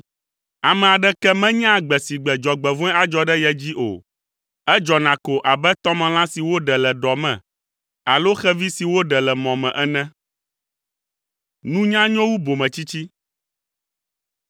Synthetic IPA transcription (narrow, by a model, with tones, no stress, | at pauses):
a˨mɛ̃˨a˨ɖɛ˦kɛ˦mɛ̃˦ɲã˦ɡ͡bɛ˨si˨ɡ͡bɛ˨d͡ʒɔ˨ɡ͡bɛ˨vɔ̃˦ɛ̃˦a˨d͡ʒɔ˨ɖɛ˦jɛ˦d͡ʑi˦ʔo̰˨ | ɛ˦d͡ʒɔ˨nã˨ko˨ʔa˨bɛ˦t̪ɔ˦mɛ̃˨l̃ã˦si˨wo˦ɖɛ˨lɛ˨ɖɔ˨mɛ̰̃˨ | a˨lo˦xɛ˦vi˦si˨wo˦ɖɛ˨lɛ˨mɔ̃˨mɛ̃˨ʔɛ˦nɛ̃˦ | nũ˦ɲã˦ɲɔ̃˦wu˦bo˨mɛ̃˨t͡ɕi˦t͡ɕi˦